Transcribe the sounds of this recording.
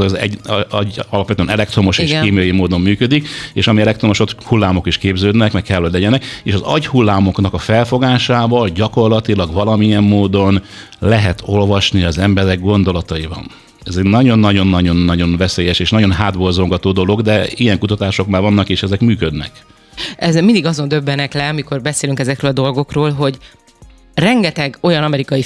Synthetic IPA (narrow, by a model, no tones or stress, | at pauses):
zɛ̰ɒɟɒlɒpʋɛt̪øɛːnɛlɛkt̪ro̞mo̞ʃeːʃkeːmijɒjimoːd̪o̞mːyːkød̪ikeːʃɒmiɛlɛkt̪ɾo̞mo̞ʃo̞t̪hulːaːmo̞kiʃkeːbzøːd̪nɛkmɛkkɛlːhoɟlɛɟɛnɛkeːʃɒzɒ̰ɟhulːaːmo̞knɒkɒfɛlfo̞ɡaːʃaːvɒlɟɒko̞rlɒt̪ilɒɡvɒlɒmijɛmːoːd̪o̞n | lɛɦɛt̪ʰo̞lvɒʃniɒzɛmbɛɾɛɡɡo̞nd̪o̞lɒt̪ɒjibɒ̰n | ɛzɛɟnɒɟo̞nːɒɟo̞nːɒɟo̞nːɒɟo̞nvɛseːjɛʃeːʃnɒɟo̞nɦaːd̪bo̞lzo̞ŋɡɒt̪oːd̪o̞loɡd̪ɛijɛŋkut̪ɒt̪aːʃo̞kmaːvɒnːɒkeːʃɛzɛkmyːkød̪nɛ̰k | ɛzɛmind̪iɡɒzo̞nd̪øbːɛnɛklɛɒmiko̞rbɛseːlyŋkɛzɛkrøːlɒd̪o̞lɡo̞kroːlɦo̞ɟ | rɛŋɡɛt̪ɛɡo̞jɒnɒmɛɾikɒji